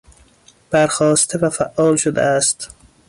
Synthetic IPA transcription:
b̥æɾxɒːst̪ʰevæfæʔːɒːlʃod̪ḛæst̪

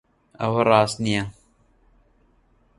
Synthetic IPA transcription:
ɐ̰wɐrˤɑːst̪nijɐ

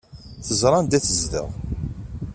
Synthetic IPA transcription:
θəzɾˤɑnd̪æθəzðə̰ʁ

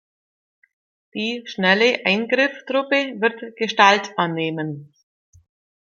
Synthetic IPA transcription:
d̥iːʃnɛləʔaɪnɡʁɪftʁ̥ʊpəvɪʁtɡ̥əʃtaltʔanːeːmən

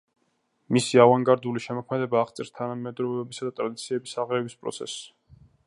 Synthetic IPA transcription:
misiavaŋɡaɾd̪uliʃɛmɔkʰmɛd̪ɛbaːχt̪sʼɛɾst̪ʰanamɛd̪ɾɔvɛbisad̪at̪ʼɾad̪it̪sʰiɛbisaʁɾɛvispʼɾɔ̰t̪sʰɛ̰s

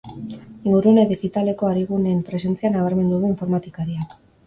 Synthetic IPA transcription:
ɡuɾueneðiɣit̪ale̞ko̞aɾiɣuneːmpɾe̞s̬e̞nt͡sianaβ̞aɾme̞nd̪uðuiɱfo̞ɾmat̪ikaɾiak

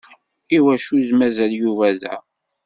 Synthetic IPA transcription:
iwæʃuzmæzæljuvæðæ̰

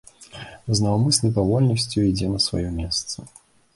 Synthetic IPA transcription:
znɐwmɨsʲnɐjpavɔlʲnɐsʲt͡sʲjuid͡zʲɛnɐsva̰jɔmʲɛst̪sɐ

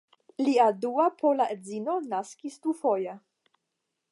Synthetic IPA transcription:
liaduapʰolaʔezinonaskisdufoja

